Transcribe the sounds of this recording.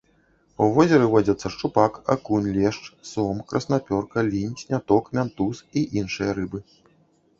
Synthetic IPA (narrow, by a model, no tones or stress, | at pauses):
uvɔzʲɛɾɨvɔd͡zʲɐt̪sːɐʂt͡ʂupaka̰kunʲlʲɛʂt͡ʂsɔmkɾʔɐsnapʲɔrkɐlʲinʲsʲnʲat̪ɔkmʲant̪usiʔinʂɨjɐɾɨbɨ